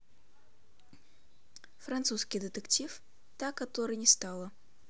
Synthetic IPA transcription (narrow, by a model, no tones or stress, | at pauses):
fɾɐnt̪suskʲɪjd̪ət̪əktʲif | t̪akɐt̪oɾɨjnʲɪst̪alˠə